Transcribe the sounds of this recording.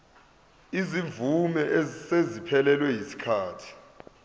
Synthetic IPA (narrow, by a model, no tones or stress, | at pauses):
izivumɛʔsezipʰɛlɛlwɛjisi̥kʰaːtʰi̥